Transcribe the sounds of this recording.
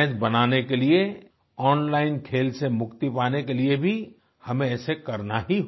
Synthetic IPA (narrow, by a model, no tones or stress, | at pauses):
d͡ʒbɐnaːnekelie | ɔːnlaːɪnkʰeːlsemʊkt̪ipaːnekeliebʱi | hɐmẽɛːsekɐɾnaɦiɦ